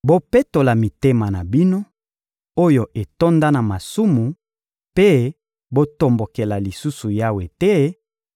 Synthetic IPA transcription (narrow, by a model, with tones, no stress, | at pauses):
bo˦pe˦to˨la˨mi˨te˦ma˨na˨bi˦no˦ | o˦jo˨ʔe˨to˦nda˦na˨ma˨su˦mu˨ | pe˦ | bo˦to˨mbo˨ke˨la˨li˨su˦su˨ja˦we˨tɛ˦